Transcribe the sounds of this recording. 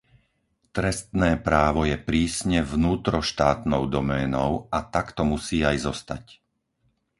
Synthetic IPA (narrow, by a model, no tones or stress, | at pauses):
t̪ɾɛst̪nɛːpɾaːʋɔjɛpɾiːsɲɛvnuːt̪ɾɔʃt̪aːt̪nɔʊd̪ɔmɛːnɔʊat̪akt̪ɔmusiːajzɔst̪ac